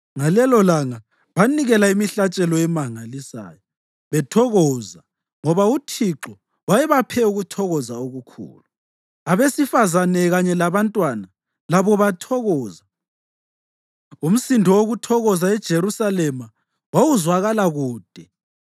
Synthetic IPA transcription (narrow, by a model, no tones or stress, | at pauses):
ŋalɛlɔlaŋa | βaniɣɛlaimiɬat͡ʃʼɛlɔɛmaŋalisa̰ːjɔ | βɛtʰɔɣɔːza | ŋɔβautʰiǁɔ | wajɛβapʰɛuɣutʰɔɣɔzaoɣukʰṵːlu | aβesifazanɛɣaɲɛlaβantʼwana | laβɔβatʰɔɣɔːza | um̩sindʱɔoɣutʰɔɣɔzaɛd̥ʒ̥ʱeɾusalɛma | wawuzwaɣalaɣuːd̥ʱɛ